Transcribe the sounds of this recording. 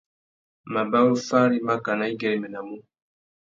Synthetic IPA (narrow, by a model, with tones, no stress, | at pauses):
ma˨ba˦wo˦fa˦ɾi˦ma˦ka˨na˨˦i˦ɡɛ˨ɾi˨mɛ˨na˨mu˦